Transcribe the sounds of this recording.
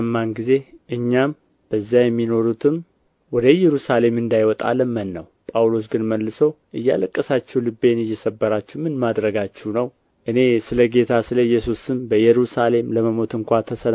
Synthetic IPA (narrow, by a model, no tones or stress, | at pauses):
mːanɡize̞ʔɨɲːam | b̥əzːajɛmːino̞ɾut̪ʰɨm | wɔd̪əjɛɾusale̞mɨnd̪ajwɔt̪ʼa̰ləmːənːəwpʼawlo̞s̬ɡɨnməlːɨsəwʔɨjːa̰ləkʼːəsat͡ʃːɛwlɨbːe̞nɨjːɛsəbːəɾat͡ʃːɛwmɨnmad̪ɾəɡat͡ʃːɛwnəw | ʔɨne̞sɨləɡe̞t̪ʰasɨləjːɛsusɨmbəjɛɾusale̞mləməmo̞t̪ɨŋkʷʰat̪ʰəsən